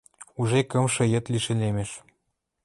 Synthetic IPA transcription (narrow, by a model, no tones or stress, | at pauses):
uʒekɤmʃɤ̆jə̆t̪liʃĕnemeʃ